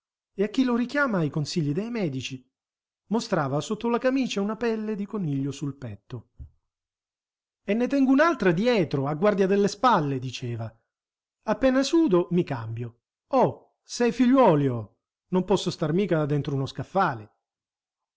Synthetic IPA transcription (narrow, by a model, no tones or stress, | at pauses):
eakːiloɾikjaːmaikonsiʎːid̪ejmɛːd̪it͡ʃi | most̪ɾaːvasot̪ːolakamiːt͡ʃaunapɛlːed̪ikonːiʎːosulpɛt̪ːo | enːet̪ɛŋɡʊunalt̪ɾad̪jɛɛːt̪ɾoaɡːward̪jad̪elːespalːed̪it͡ʃɛːva | apːɛːnasuːd̪omikambjo | ɔ | sɛjfiʎːwɔːljo | nompɔsːost̪armiːkad̪ɛnt̪ɾounoskafːaːle